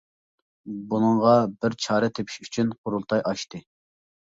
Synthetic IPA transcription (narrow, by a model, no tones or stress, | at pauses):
bunɨŋʁɑbɪɾt͡ʃʰɑːɾɛt̪ʰepʰi̥ʃyt͡ʃʰynqʰʊɾulˠt̪ʰɑjʔɑʃt̪ɨ